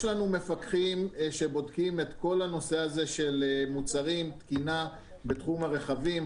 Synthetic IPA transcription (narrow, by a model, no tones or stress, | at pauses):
ʃlanume̞fakχimʃebo̞dkimet̪ko̞lano̞se̞aze̞ʃe̞lmut͡saʁimt̪kina | betχumhaʁe̞χavim